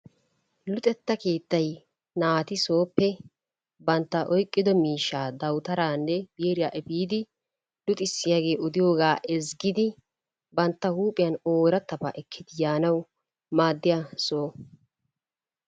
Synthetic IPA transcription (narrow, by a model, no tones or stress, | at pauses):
lʊt̪ʼɛt̪ːɐke̞ːt̪ːɐj | naːt̪ɪso̞ːpːɛ | bɐnt̪ːɐʔɔjkʼːɪd̪ɔmiːʃːaːd̪ɐwt̪ɐɾaːnːɛbjeːɾɪjaːʔɛbiːd̪ɪ | lʊt̪ʼɪsːɪjaːɡe̞ːɔd̪ɪjo̞ːɡaːʔɛzɡɪd̪ɪ | bɐnt̪ːɐhuːpʼɪjɐnoːɾɐt̪ːɐba̰ʔɛkʰːɪd̪ɪjaːnɐw | maːd̪ːɪjasoː